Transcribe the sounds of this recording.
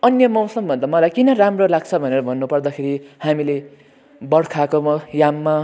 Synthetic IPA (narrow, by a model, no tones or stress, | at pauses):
ʌnjʌmʌwsʌmbʱʌnd̪amʌlajkinʌramrolaɡt͡sʰʌbʱʌneɾʌbʱʌnːupʌrd̪akʰeɾihamile | bʌɽkʰakomʌjamːa